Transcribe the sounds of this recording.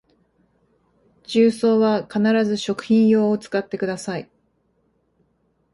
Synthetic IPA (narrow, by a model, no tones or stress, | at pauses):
t͡ɕɨːso̞ːβakanaɾazɨɕo̞kɯ̟̥çĩɰ̃jo̞ːt͡sɨ̥kat̪ːe̞kɯ̟d̪asai